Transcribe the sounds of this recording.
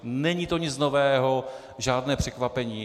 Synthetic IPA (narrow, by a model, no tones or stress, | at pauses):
nɛɲiːt̪oɲɪt͡snovɛːɦo̞ | ʒaːdnɛːpr̝̥ɛkvapɛɲiː